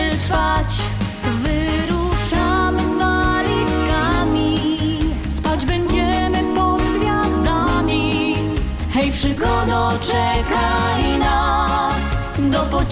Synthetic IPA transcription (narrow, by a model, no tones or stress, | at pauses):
tfat͡ɕ | vɨɾuʂamzvalʲiskamʲi | spad͡ʑbɛɲd͡ʑɛmɘpɔd̪ɡvʲjazd̪amʲi | xɛjfʂɘkɔd̪ɔt͡ʂɛkalinas | d̪ɔpu